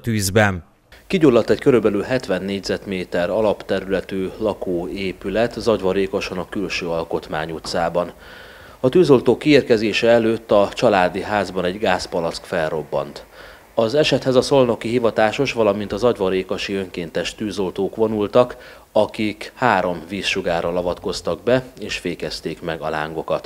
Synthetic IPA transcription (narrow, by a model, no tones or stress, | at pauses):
t̪yːzbɛn | kiɟulːɒt̪ːɛckø̞ɾybɛlylɦɛt̪ʋɛnːeːɟzɛt̪meːt̪ɛɾɒlɒpt̪ɛɾylɛt̪yːlɒkoːeːpylɛt̪zɒɟʋɒɾeːkoʃonɒkylʃøːɒlko̞t̪ma̰ːɲut̪saːbɒn | ɒt̪yːzo̞lt̪oːkːieːrkɛzeːʃɛɛløːt̪ːɒt͡ʃɒlaːd̪iɦaːzbɒnɛɟɡaːspɒlɒskfɛlro̞bːɒ̰nt̪ | ɒzɛʃɛt̪hɛzɒso̞lno̞kiɦivɒt̪aːʃo̞ʃʋɒlɒmint̪ɒzɒɟʋɒɾeːkoʃiø̞ŋkeːnt̪ɛʃt̪øːzo̞lt̪oːkʋo̞nult̪ɒk | ɒkikhaːɾo̞mviːsʃuɡaːɾɒlɒvɒt̪ko̞st̪ɒɡ̚bɛeːʃfeːkɛst̪eːkmɛɡɒ̰la̰ːŋɡo̞kɒt̪